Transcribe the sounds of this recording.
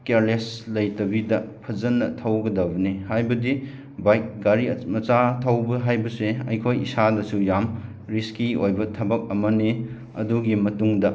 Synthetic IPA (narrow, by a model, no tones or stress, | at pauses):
keɾleslɐjtɐbidɐpʰɐzɐnːɐtʰɐwɡɐdɐbɐnihajbɐdi | bajk̚ɡaɾimɐt͡ʃatʰɐwbɐɦajbɐseɐ̰jkʰojisadɐsujam | ɾiskiojbɐtʰɐbɐk̚ɐmɐne | ɐ̰duɡimɐtuŋdɐ